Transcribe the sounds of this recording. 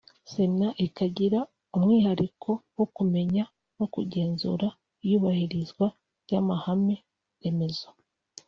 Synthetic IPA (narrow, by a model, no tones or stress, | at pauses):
se̞naʔikaɟiɾa | umŋiːhaɾikʰo̞wokume̞ɲa | wokuɟe̞ːnzṵɾa | ijuːβahiɾizɡwa | ɾjamahame̞ | eme̞zo